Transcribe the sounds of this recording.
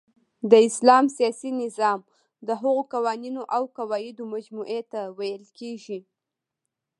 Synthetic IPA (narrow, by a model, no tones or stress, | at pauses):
d̪əɪslɑmsijɑsinɪzɑm | d̪əɦaɣokawɑninoʔawkawɑjɪd̪omad͡ʒmuʔet̪awajəlkeʒi